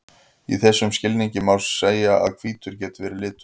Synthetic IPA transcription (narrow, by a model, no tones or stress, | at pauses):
ḭθɛsːʏmscɪlniɲcɪmawsːeːjaa̰ðkʰv̥iːt̪ʏɾcɛːt̪ɪvɛːɾɪlɪːt̪ʏ̥